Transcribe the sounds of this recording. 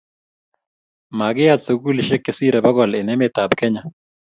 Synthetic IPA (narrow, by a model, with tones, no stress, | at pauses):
ma˨ɡɪ˦ja˦t̪so˨ɡu˦lɪ˨ʃe˦kːe˨si˦ɾɛ˨ba˦ɡɔ˨lɪ˨nɛ˦mɪt̪a˨bkɛ˦ɲa˨